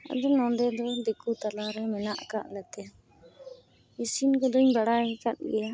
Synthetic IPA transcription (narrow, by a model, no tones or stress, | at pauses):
a̰d̪ɔnɔ̃nd̪ɛd̪ɔd̪ɛkut̪alaɾɛmɛnaʔka̰ʔlɛt̪ɛ | isinɡɔd̪ɔɲbaɽaɛkat̪̚ˀɡɛja